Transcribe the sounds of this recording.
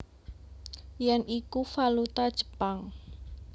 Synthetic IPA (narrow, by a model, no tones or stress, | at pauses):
jɛnikufalut̪ad̥ʒ̥ə̤̥paŋ